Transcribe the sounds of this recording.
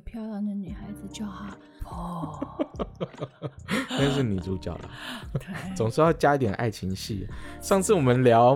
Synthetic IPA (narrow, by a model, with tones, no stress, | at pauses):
pʰjɑ˥ʊjɑ˧ŋd̪ə˧ny˨˩xa˧˥ɪd͡zɹ̩˨˧t͡ɕjɑ˥˩xa˥˩ | ə˥˧˥ʂ̬ɻ̩˥˩ni˨˩t͡su˥˧˥t͡ɕjɑ̰˥˩ʊd̪ə̰˩t̪e˥˩t͡sʊ˨˩ŋʂɻ̩˥˧jɑ˥˩ʊt͡ɕja˥i˥t̪jɛ˨˩nʔa̰˥˩ɪt͡ɕʰi˧˥ŋɕḭ˥˩ʂɑ˥˧ŋt͡sʰɹ̩˥˩wɔ˨˩mə˦nljɑ˧˥ʊ